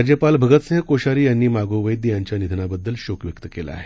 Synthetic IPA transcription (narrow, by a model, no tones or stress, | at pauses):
d͡ʑjəpalbʱəɡət̪sẽɦəkoɕaɾiːjanːiːmaɡoʋəjd̪jaɲt͡ɕjanid̪ʱənabəd̪ːəlɕokʋjəkt̪əkela̰a̰ɦe